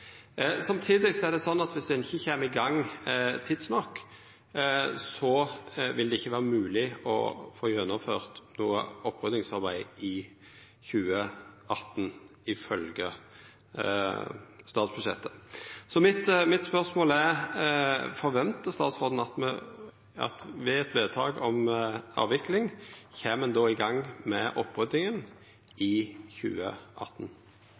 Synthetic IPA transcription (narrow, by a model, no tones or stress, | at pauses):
sɑmt̪ʰiːd̪ɪsɔɛʁd̪ɛsɔnːɑt̪ʋɪsd̪ɛɪnɪçːəçeːməɪɡɑŋːt̪ʰɪːd̪snɔkː | sɔʋɪld̪ɛɪçːəʋæːʁəmʉːlɪɔ̰foːjœnːɔføːʁt̪nuːə̰ɔpːʁʉd̪nɪŋsɑʁbæɪɪ | çʉːəʔɑt̪ːnɪfœlɡə | st̪ɑːt̪sb̥ʉʂɛt̪ːəsɔmɪt̪mɪt̪spœʁsmoːlɛʁ | fɔʁʋɛnt̪əst̪ɑːt̪sʁoːd̪n̩ɑt̪mɛ | ɑ̰t̪ʋɛɛt̪ʋeːd̪̚t̪ʰɑ̰ːɡɔmɑ̰ːʋɪklɪŋçeːmːɛnd̪oːɪɡɑŋːmɛʔɔpːʁʉd̪nɪŋən | ɪçʉ̰ːə̰ʔɑt̪n̩